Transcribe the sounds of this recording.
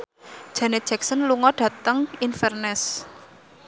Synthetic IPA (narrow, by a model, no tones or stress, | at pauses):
d̥ʒ̥a̤ne̥ʒ̥ɛk̚sənluŋɔɖ̥ä̤t̪əŋinfɛrnɛs